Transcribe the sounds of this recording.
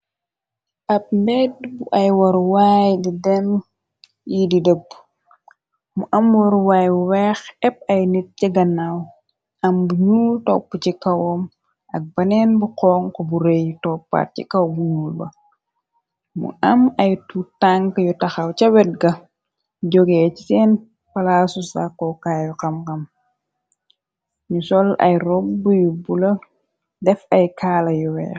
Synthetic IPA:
ʔɐp̚mbɛd̚buʔɐjwɐɾwaːjdidɛm | jididəp̚ː | muʔɐmwɐɾwaːjuwɛːxɛp̚ɐjnit̚ciɡɐnːaw | ɐmbuɲuːltɔpːəcikɐwɔm | ɐk̚bɐnɛːnbuqɔːŋkɔbuɾɛjtɔpːa̰rcikɐwbuɲuːlbɐ̰ | mṵɐmɐjtutaŋkəjutɐxɐwcɐwɛt̚ɡɐ | ɟɔɡɛcisɛːn | pɐlaːsusakɔkaːjukɐmkɐm | ɲusɔlɐ̰jrɔbbujubulɐ | dɛfɐjkʰaːlɐjɔwɛ̰

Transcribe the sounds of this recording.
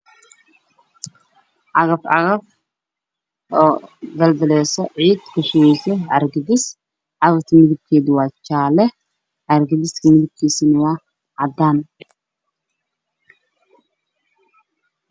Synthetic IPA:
ʔɑɣɐfʕɑ̰ɣɐf | ɔːd̪ɐld̪ɐlɛːsɔʕiːd̪kʰʊʃɪwɛjsɔɐɾɡɐd̪ɪs | ʕɑɣɐft̪ʰɐmɪðɪb̚kʰɛːðɪwɑːt͡ʃaːlɛ | ʕɐɾɡɐd̪ɪskʰɐmɪðɪb̚kʰiːsinɐwaː | ʕɑd̪an

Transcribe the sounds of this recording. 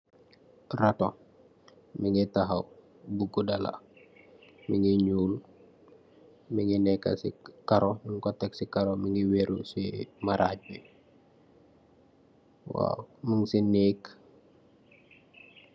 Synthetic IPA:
rato | miŋitaɦaw | buɡudala̰ | miŋiɲuːl | miŋinɛkːa̰sḭkaɾɔməŋkɔtɛksikaɾomiŋiweɾusimaɾʔaːɟ̚bi | wa̰məŋsineːk

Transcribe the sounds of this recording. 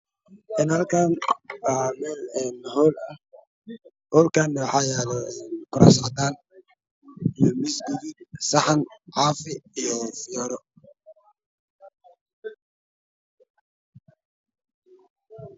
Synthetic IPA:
ʔɪnhɐlkʰaːnwaːmɛːlɛːnhɔːlɐh | hɔːlkʰaːnːɐwɑħɑːjɛːlɛɛːnkʰʊɾa̰sɐt̪aːn | ijɔmɪsɡuɣid̚sɑħɑnʕɑːfɪijɔfɪɔɾɔ

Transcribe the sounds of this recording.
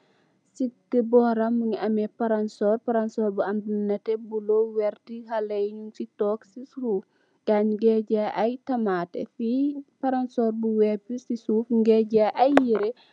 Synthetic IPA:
sitɛbɔɾɐmːuɲɐmɛpɐɾɐnsɔːrpɐɾɐnsɔːɾbuɐmbinɐtɛbulowɛrtihɐlɐjɲunsitɔːksisuːf | ɡ̥aɲɡɛɟaʔɐjtɐmaːtɛ̰fipɐɾansɔːrbuwɛpːusisuːfɡɛɟaʔɐjːiɾɛ

